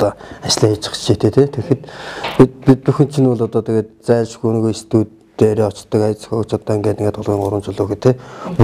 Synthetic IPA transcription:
t̪ɔːat͡ɕɮiːxit͡ɕʰɪ̥̆χt͡ɕt͡ɕit̪ʰeːt̪ʰet̪ʰexɘ̆t̪pipʲit̪̚puxɘ̆nt͡ɕʰinʊɮɔt̪ɔːt̪ʰeɡeːt̪t͡sæːɮt͡ɕɡun̆ɣujest̪uːt̪ː | eːɾʲiːɔt͡ɕ̆t̪ːɞ̆kajə̆t͡sxut͡ɕʰɔt̪ːaːŋɡeːt̪ɘŋɡeːt̪ʊɮʁiːŋɢʊɾwə̆mt͡ɕʰʊɮʊːxĕt̪ʰe

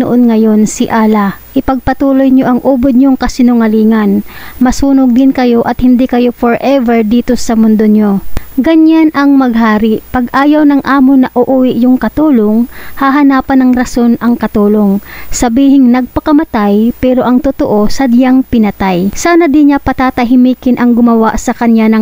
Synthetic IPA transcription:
nʊ̰ʔonŋɐjo̞nsɪʔaːlaʔɪpɐɡ̚pɐt̪uːlo̞jɲoʔɐŋʔuːbod̪̚ɲoŋkɐsɪnʊŋɐliːŋɐnmɐsuːnoɡ̚d̪ɪnkɐjo̞ʔɐt̪̚hɪnd̪ikɐjo̞foɹʔɛvɛɹd̪iːt̪o̞sɐmʊnd̪oɲo̞ɡɐɲanʔɐŋmɐɡ̚haːɾɪʔpɐɡʔaːjɐwnɐŋʔaːmonɐʔoʔuːwɪʔjʊŋkɐt̪uːloŋhɐɦɐnaːpɐnɐŋɾɐso̞nɐŋkɐt̪uːlo̞ŋsɐbiːhɪŋnɐɡ̚pɐkɐmɐt̪ajpɛːɾo̞ʔɐŋt̪ʊt̪oʔo̞sɐd̪jaŋpɪnɐt̪ajsaːnɐd̪ɪnɲapɐt̪aːt̪ɐɦɪmiːkɪnʔɐŋɡʊmɐwaʔsɐkɐɲjanɐŋ

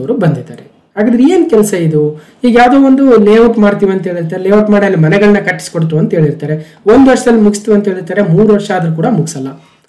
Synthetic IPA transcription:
ɐʋɾubɐnd̪id̪aːɾe | ɦaːɡaːd̪ɾieːnkɛlɐsɐid̪uhiːɡɐjaːʋd̪oːʋond̪uleːuʈmaːɽt̪iːʋɐnt̪ɦe̞ːɭiɾt̪aːɾeleːɐʈmaːɽlːimɐnɛɡɐɭɐnːɐkɐʈːi̥skoɽt̪uʋɐnt̪ɦe̞ːɭiɾt̪aːɾe̞ | o̞nd̪ʋɐʂɐd̪ɐlːimuɡist̪uʋɐnt̪ɦeːɭiɾt̪aːɾe̞muːɾuʋɐɾʂaːd̪ɐɾukuːɽɐmuɡisɐlːɐ

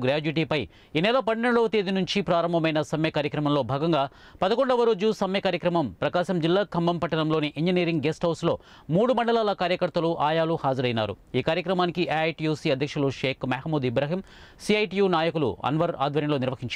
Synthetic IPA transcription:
ɡɾaːd͡ʒiʈ̬iːpɐj | iːnɛːlɐpɐnːɐɳɽoːɐt̪eːd̪inuɲt͡ʃipɾaːɾɐmbʱɐmɐjnɐsɐmjɐkaːɾjɐkɾɐmɐmlo̞ːbʱaːɡɐŋɡaː | pɐd̪ɐko̞ɳɖɐʋɐɾoːd͡ʒusɐmjɐkaːɾjɐkɾɐmɐmpɾɐkaːʃɐmd͡ʒilːaːkʰɐmbɐmpɐʈːɐnɐmlo̞ːniʔiɲd͡ʒiniːɾiŋɡɡesʈɦɐwslo̞ː | muːɽumɐɳɖɐlaːlɐkaːɾjɐkɐɾt̪ɐluʔaːjaːluhaːd͡ʒɐɾɐjna̰ːɾṵiːkaːɾjɐkɾɐmaːnikiʔeɐjʈijuːsiːɐd̪ʱjɐkʂuluʂeːkmɐːhmuːd̪ibɾɐːɦim | siɐjʈijuːnaːjɐkulṵɐ̰nʋɐɾa̰ːd̪ʋɐɾjɐmloːniɾʋɐɦiɲt͡ʃ

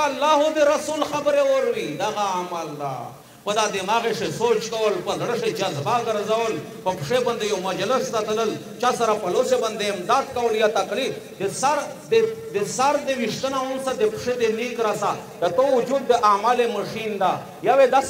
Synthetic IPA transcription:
alːaːɦud̪eɾasulxabəɾeoɾwid̪aɣaamald̪a̰ | pəd̪ad̪emaɣeʂesot͡ʃkawəlpəzɽəʂed͡ʒazbaɡəɾzawəl | pəpʂeband̪ejomad͡ʒləst̪at̪ələl | t͡ʃasaɾapaloseband̪eɪmd̪aːd̪kawəljat̪akli | d̪esaɾ | d̪ed̪esaɾd̪ewiʂt̪ənawʊnsad̪epʂed̪enikɾasad̪̥ət̪owʊd͡ʒud̪̚ːəʔamaleməʂind̪a | jawed̪a

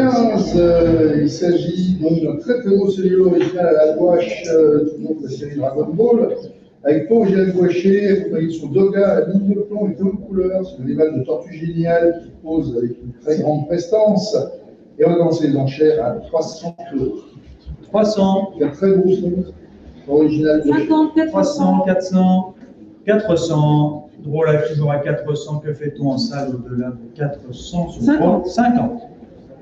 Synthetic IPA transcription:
kɛ̃z | ilsaʒid̪ɔ̃ɛ̃t̪χɛt̪χɛboseʁjøɔʁiʒinalalavwaʃd̪unɔ̃d̪əlaseʁid̪ʁadɔ̃nb̪ol | avɛkpoʒiabwaʃefaisɔ̃d̪ɔɡaamĩɲd̪əplɔ̃ebɔ̃d̪əkulœːʁsɛ̃lemat̪d̪ət̪ɔʁt̪yʒenjalkʲipozavɛkʲynt̪χɛɡʁɑ̃d̪̚pχɛst̪ɑ̃s | eʁəd̪ɑ̃selezɑ̃ʃɛʁat̪χwasɑ̃ko | t̪χwasɑ̃k̪ɛ̃t̪χɛbosɔ̃ | ɔʁiʒinald̪ə̃t̪wasɑ̃kat̪χsɑ̃ | kʲat̪χəsɑ̃d̪ʁolakʲibʁakat̪χəsɑ̃kəfɛt̪ɔ̃ɑ̃salod̪əlad̪əkʲat̪χəsɑ̃səwasɛ̃kɑ̃t̪

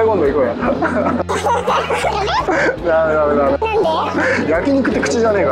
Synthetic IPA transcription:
ikõnd̪oikoːjã | named̪amed̪ame | jakʲiɲ̟ikɯ̟t̪ːekɯ̟t͡ɕid͡ʑane̞ːka

